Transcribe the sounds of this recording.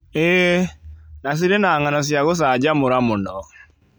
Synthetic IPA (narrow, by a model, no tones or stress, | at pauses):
ɛ | nas̬iɾenaŋanɔs̬jaɣos̬aːd͡ʒamoɾamonɔ